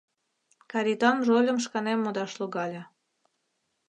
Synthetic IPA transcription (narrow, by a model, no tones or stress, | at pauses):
kɑɾit̪ɑnʒolʲə̆mʃkɑnemːod̪ɑʃluɣɑlʲɤ̆